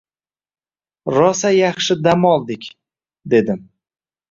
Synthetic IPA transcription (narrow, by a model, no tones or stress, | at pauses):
ɾɒsajɑχʃɪd̪amɒlˠd̪ɪkʲ | d̪e̞d̪ɪm